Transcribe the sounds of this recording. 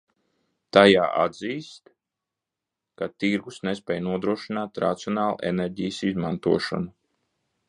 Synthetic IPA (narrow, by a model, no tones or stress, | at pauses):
t̪aja̰ːʔa̰d̪ziːst̪ | kat̪iɾɡusnespʲɛːjnuɔd̪ɾuɔʃinaːt̪ɾa̰t̪siɔnaːlˠṵʔḛnɛɾʲɟijəsizmant̪uɔʃɔ̰nu